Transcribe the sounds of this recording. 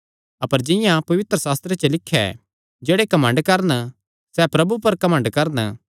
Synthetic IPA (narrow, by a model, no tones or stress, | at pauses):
ɐpəɾd͡ʒɪ̃jãpɐʋɪt̪ɾəsaːst̪ɾet͡ʃɐlɪkʰːɛ̰ | d͡ʒeːɽekɐmə̃ɳɖkɐɾn | sɛpɾɐbupɐɾkɐmə̃ɳɖkɐɾn